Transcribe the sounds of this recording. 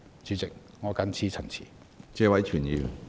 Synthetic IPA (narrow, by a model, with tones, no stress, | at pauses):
t͡ʃyː˨˧t͡sɪ˨k̚ | ŋɔː˨˧kɐ˨˥nt͡sʰiː˧˥t͡sʰɐ˨˩ŋt͡sʰḭː˨˩ | t͡sɛː˧wɐ˨˥jt͡ʃʰyː˨˩njiː˨˧˨n